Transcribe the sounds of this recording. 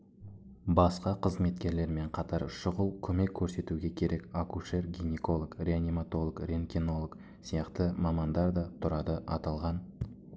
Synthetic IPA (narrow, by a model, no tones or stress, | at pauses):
bɑsqɑqʰəzme̞t̪kʲe̞ɾle̞ɾme̞ɴqʰɑt̪ɑɾʃʊʁəlˠkʲʰɵme̞kʲʰːɵɾse̞t̪uɡʲe̞kʲʰe̞ɾʔe̞kakuʃe̞ɾɡʲineko̞lˠəkɾʲeanʲimat̪o̞lˠəkrʲe̞nkʲino̞lˠək | sijɑqt̪əmɑmɑnd̪ɑɾd̪ɑt̪ʰʊɾɑd̪əʔɑt̪ɑlˠʁɑn